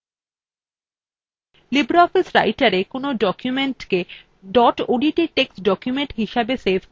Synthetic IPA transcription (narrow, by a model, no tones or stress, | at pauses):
libɾaɔfisɾa̰jʈaɾekonoɖɔkjumeɳʈke | ɖɔʈoɖiʈiʈeksɖɔkjumeɳʈɦiʃabesebʰʱ